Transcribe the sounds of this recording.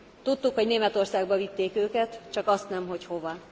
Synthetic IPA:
t̪ut̪ːukho̞ɟneːmɛt̪o̞rsaːɡbɒvit̪ːeːkøːkɛt̪t͡ʃɒkɒst̪nɛmɦo̞cho̞vɒ

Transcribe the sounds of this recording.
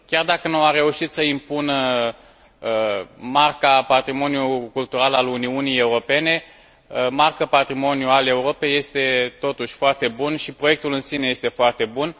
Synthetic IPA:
kʲard̪akənuaɾe̞uʃit̪səimpunə | əmarkapat̪ɾimo̞njukult̪uɾalaluniunije̞uɾo̞pe̞ne̞ | əmarkəpat̪ɾimo̞njuale̞uɾo̞pe̞je̞st̪e̞t̪o̞t̪uʃʲfoart̪e̞bunʃipɾo̞je̞k̚t̪ulɨnsineje̞st̪e̞foart̪e̞bun

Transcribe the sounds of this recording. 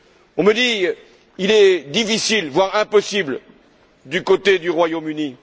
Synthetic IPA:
ɔ̃məd̪i | ilɛd̪ifisilvwaʁɛ̃pɔsibl | d̪ykot̪ed̪yʁwajomyni

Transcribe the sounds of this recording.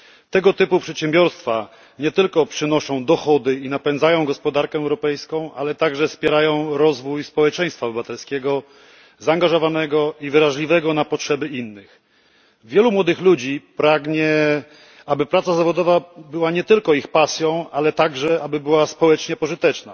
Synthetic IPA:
t̪ɛɡɔt̪ɘpupʂɛt̪ɕɛmbʲjɔɾst̪fa | ɲɛt̪ɘlkɔpʂɘnɔʂɔ̃w̃d̪ɔxɔd̪ɘinapɛnzajɔ̃w̃ɡɔspɔd̪aɾkɛːwɾɔpɛjskɔ̃w̃ʔa̰lɛt̪aɡʐɛfspʲjɛɾajɔ̃w̃ɾɔzvujspɔwɛt͡ʂɛj̃st̪fabɘvat̪ɛlskʲɛɡɔ | zaːŋɡaʐɔvanɛɡɔivɘɾaʐlʲivɛɡɔnapɔtʂɛbɘinːɘx | vʲjɛlumwɔd̪ɘxlud͡ʑipɾaɡɲɛ | abɘpɾat̪sazavɔd̪ɔvabɘwaɲɛt̪ɘlkɔixpasʲjɔ̃w̃alɛt̪aɡʐɛabɘbɘwaspɔwɛt͡ʂɲɛpɔʐɘt̪ɛt͡ʂna̰

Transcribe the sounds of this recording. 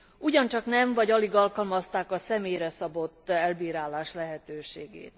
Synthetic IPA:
uɟɒnt͡ʃɒknɛmɱvɒɟɒliɡɒlkɒlmɒst̪aːkɒsɛmeːjrɛsɒbo̞t̪ːɛlbiːɾaːlaːʃlɛɦɛt̪øːʃeːɡḛːt̪

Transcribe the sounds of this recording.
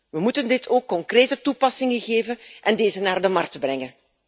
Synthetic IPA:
ʋəmutəndɪtʰoːkːɔŋkreːtətupɑsɪŋəɣeːvənʔɛndeːzənaːrdəmɑrktəbrɛŋən

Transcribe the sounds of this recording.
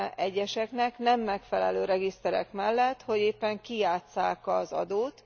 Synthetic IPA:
ɛɟːɛʃɛknɛknɛmːɛkfɛlɛ̰løːɾɛɡist̪ɛɾɛ̰kmɛlːɛt̪ho̞ɟeːpːɛŋkijaːt̪saːkɒzɒ̰d̪oːt̪

